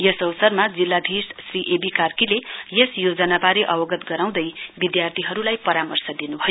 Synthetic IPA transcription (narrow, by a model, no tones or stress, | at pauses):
jʌsʌwsʌrmad͡zilːad̪ʱissriʔebikarkilejesjod͡zʌnabaɾeʔʌwʌɡʌt̪ɡʌɾaw̃d̪ʌjbid̪jart̪ʰiɦʌɾulajpʌɾamʌrsʌd̪inubʱʌjo